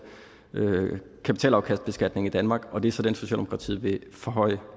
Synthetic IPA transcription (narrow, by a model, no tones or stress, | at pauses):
ø | kʰæpit͡sʰɛ̰ːlɑ̈ʊkʰæsd̥̚b̥e̝sɡ̥æd̥ne̝ŋid̥ænmɑ̈ːɡ̥ɒ̽d̥e̝sɒ̽d̥enso̝ɕɛ̰ld̥emo̥kʰɑt͡sʰḭːʋe̝fɒɦɒ̽ɪ̰